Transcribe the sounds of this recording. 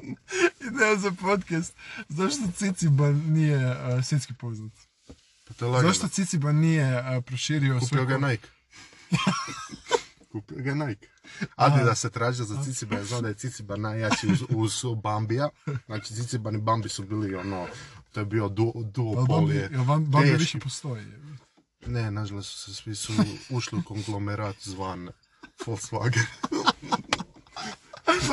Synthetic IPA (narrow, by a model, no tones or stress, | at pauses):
inezapot̪kast̪zaʃt̪ot̪sit̪sibannijeəsjet̪skipoznat̪ | pat̪oelazaʃt̪ot̪sit̪sibanijepɾoʃiːɾiosuioɡanajk | ja | kupioɡanajk | ad̪id̪aset̪ɾaːʒiozait̪sibajaznaːmd̪ajet̪it̪sibanajjat͡ʃiuuzbambiaznaːt͡ʃi̥t̪sit̪sibanibambisubiːlionoːt̪ojebiod̪ud̪uɡoolebaeʋiʃpost̪oi | nenaʒalˠosu̥sesmisuuʃliuko̞ŋɡlˠomeɾaːt̪zʋan | folsla̰ɡeɾ